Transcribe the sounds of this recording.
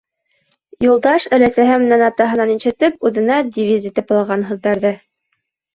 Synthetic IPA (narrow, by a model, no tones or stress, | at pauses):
julˠd̪ɑʃælæsæɦæmnænɑt̪ɑɦɤ̆nɑninʃɘ̆t̪ɘp̚ʉðɘ̆næd̪ʲivʲizʲit̪ɘpɤlˠɑʁɑnɦɤ̆ðːɑɾðɤ